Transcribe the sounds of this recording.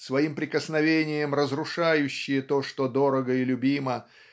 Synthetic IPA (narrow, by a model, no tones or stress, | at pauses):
svɐimpɾʲɪkəsnɐvʲenʲɪjəmrəzɾʊʂajʉɕːɪjət̪oʂt̪od̪oɾəɡəɪlʲʊbʲimə